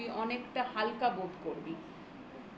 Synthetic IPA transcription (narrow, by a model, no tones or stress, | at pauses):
iʔɔnekʈaɦalkabod̪ʱkoɾbi